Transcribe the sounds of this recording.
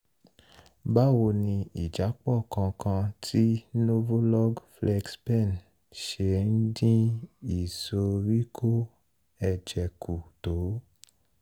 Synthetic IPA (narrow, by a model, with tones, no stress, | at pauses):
ba˦wo˧nĩ˧i˨d͡ʒa˨˦k͡pɔ˦˨kã˧kã˧tʰi˦no˦vo˦lɔ˦ɡflɛ˧ɡspɛ˦˨n | ʃe˨n̩˦dĩ˦i˨so˧ɾi˦kʰo˦ | ɛ˧d͡ʒɛ˨ku˨to˨˦